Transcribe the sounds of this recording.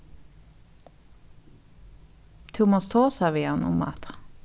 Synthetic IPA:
t̪ʰʉmoːst̪ʰoːsɑːʋiːɑnʊ̰mɑ̰t̪ʁ

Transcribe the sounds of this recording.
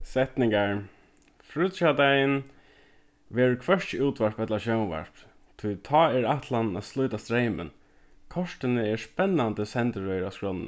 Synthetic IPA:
sɛht̪nɪŋkaɹ | fɾuʃad̪ajɪn | ʋɛːɹʊkʰʋœʂt͡ʃəuːt̪ʰʋaɹpɛt̪laʃœʊnʋa̰ɹp | t̪ʰujt̪ʰɑːɛɹaht̪lannæslʊjt̪ast̪ɾejmə̰n | kʰɔʂt̪ɪnəɛɹspɛnːand̪əsɛnt̪əɹœʏɾaskɹɔnn

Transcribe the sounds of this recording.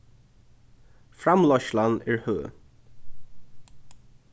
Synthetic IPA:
fɾamlɔʃlanɛɹhøː

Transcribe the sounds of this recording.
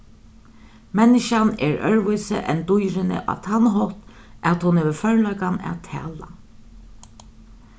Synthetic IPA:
mɛnːɪʃanɛ̰ːɹœ̰ɹʋujsə̰ʔɛ̰nt̪ʊjɾɪnɪ̰ʔa̰t̪ʰanɦɔt̪ | ʔæːt̪hʊnheːʋəfœɹlɔʏkana̰ːt̪ʰæ̰ːla

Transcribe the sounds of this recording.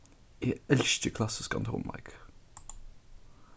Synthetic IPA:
iːɛlʃt̪əkʰlɑsɪskɑ̰nt̪ʰɔ̰ːnbɑ̰ɾɡ

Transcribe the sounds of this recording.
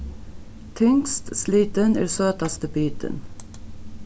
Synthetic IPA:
t̪ʰʏŋst̪sliːt̪ənḭːsøːt̪ɑst̪əbyːt̪ʰə̰n

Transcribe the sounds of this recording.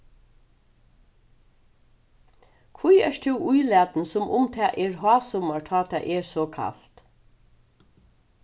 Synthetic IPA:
kʰʋujɛ̰ʂt̪ʰʉwʔʊjlæːt̪nsʊmʔʊ̰mt̪ʰɛːʔɛːɹɦɑːsɔmaɹt̪ʰɑːt̪ʰɛːʔɛɹsɔkʰa̰lt̪

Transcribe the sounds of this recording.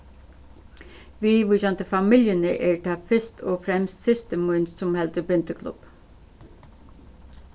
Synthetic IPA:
ʋiːʋuʃant̪əfɑmɪljənəʔɛːɹt̪ʰɑːfɪst̪ʰoːfɾɛmst̪sɪst̪əmunsɔmhɛlt̪əbɪnt̪əkʰlʊ̰p

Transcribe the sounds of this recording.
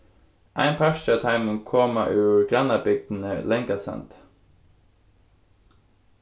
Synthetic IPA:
ʔæ̰ɪnpʰæʃat̪ʰɑɪmɪŋkʰɔːmaʔʉːɹɡɾɑnɑbʏɡ̚d̪n̩əlɛŋkasɑ̰nt̪

